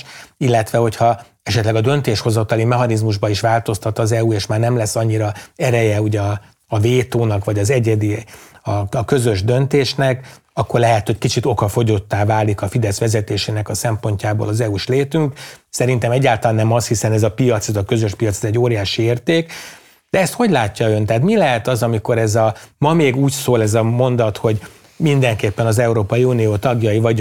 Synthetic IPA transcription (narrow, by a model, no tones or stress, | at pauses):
ʃilːɛt̪ʋɛɦo̞chɒ | ɛʃ̬ɛt̪lɛɡɒd̪ø̞nt̪eːʃho̞zɒt̪ɒlimɛɦɒnizmuʒbɒiʃʋaːlt̪o̞st̪ɒt̪ɒzɛueːʃmaːrnɛmlɛsːɒɲːiɾɒɛɾɛjɛuɟɛɒ | ɒveːt̪oːnɒkʋɒɟɒzɛɟɛd̪iɒɒkø̞zø̞ʒd̪ø̞nt̪eːʃnɛk | ɒkːo̞rlɛɦɛt̪ho̞ckit͡ʃit̪o̞kɒfo̞ɟo̞t̪ːaːvaːlikɒfid̪ɛsʋɛzɛt̪eːʃeːnɛkɒsɛmpo̞ɲcaːbo̰ːlɒzɛuʃleːt̪yŋksɛɾint̪ɛmɛɟːaːlt̪ɒlaːnːɛmɒshisɛnɛzɒpijɒt̪sɛzɒkø̞zø̞ʃpijɒt̪sɛzɛɟːoːɾijaːʃieːrt̪eːk | d̪̥ɛɛst̪ho̞ɟlaːcːɒø̞nt̪ɛːt̪milɛɦɛt̪ɒzɒmiko̞ɾɛzɒmɒmeːɡuːcsoːlɛzɒmo̞nd̪ɒt̪ho̞ɟ | mind̪ɛŋkeːpːɛnɒzɛuɾoːpɒjiuːnijoːt̪ɒɡjɒjivɒɟ